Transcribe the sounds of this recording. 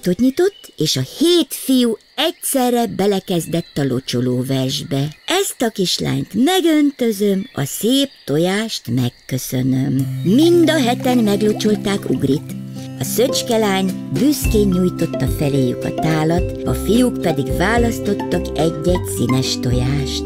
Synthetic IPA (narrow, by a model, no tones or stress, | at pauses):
t̪ot̪ɲit̪o̞t̪ːeːʃɒheːt̪fiju | ɛcsɛrːɛbɛlɛkɛzd̪ɛt̪ːɒlo̞t͡ʃo̞loːvɛrʒbɛɛst̪ɒkiʃla̰ːɲt̪mɛɡønt̪ø̞zømɒ̰seːp̚t̪ojaːʃt̪mɛkːø̞sønømmind̪ɒɦɛt̪ɛnmɛɡlo̞t͡ʃo̞lt̪aːkṵɡrit̪ɒsøt͡ʃkɛlaːɲbyskeːɲːuːjt̪o̞t̪ːɒfɛleːjukɒ̰t̪aːlɒt̪ɒfijukpɛd̪iɡvaːlɒst̪o̞t̪ːɒkɛɟːɛɟsinɛʃt̪o̞̰jaːʃt̪̚